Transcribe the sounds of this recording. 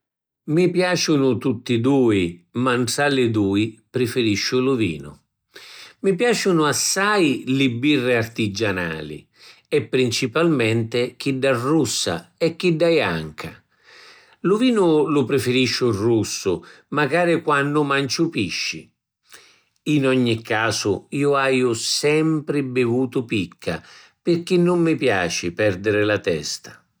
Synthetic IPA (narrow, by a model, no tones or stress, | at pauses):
mipjaːt͡ʃʊnʊt̪ut̪ːid̪uːimaɳʈɽalɪd̪uːipɾɪfɪɾiʃːʊlʊvḭːnʊ̰ | mipjaːt͡ʃʊnʊasːajlɪbːirːɪart̪id͡ʒana̰ːlḭ | ɛpːɾint͡ʃipalmɛnt̪ɪk̟iɖːarːusːa̰ɛkːiɖːaja̰ŋkʰa̰ | lʊviːnʊlʊpɾɪfɪɾiʃːʊrːusːʊ | maɡaːɾɪkwanːʊmant͡ʃʊpiʃːḭ | inɔɲːikʰːaːsʊiːʊajʊsɛmpɾɪbɪvuːt̪ʊpikʰːa̰pɪrk̟inːʊmːɪpja̰ːt͡ʃɪpɛrd̪ɪɾɪlat̪ɛ̰st̪ḁ